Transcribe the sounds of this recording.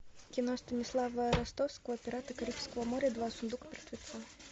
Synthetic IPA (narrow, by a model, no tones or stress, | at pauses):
kʲinɔst̪ɐnʲislˠavɐɾast̪ɔwskɐvɐpʲɛɾat̪ɨkaɾʲipʲskɐvɐmɔɾʲɐd̪vasund̪ukpʲɛrt̪ʲvʲɛt̪sa